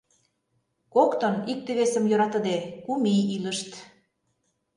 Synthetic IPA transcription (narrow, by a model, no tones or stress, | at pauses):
kokt̪ŏnik̚t̪ĕβesə̆mjøɾɑt̪ə̆d̪ekumiilə̆ʃt̪